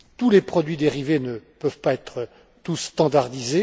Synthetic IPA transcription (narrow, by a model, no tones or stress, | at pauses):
t̪ulepχɔd̪ɥid̪eʁivenəpœvpaɛt̪χə | t̪usːt̪ɑ̃d̪aʁd̪ize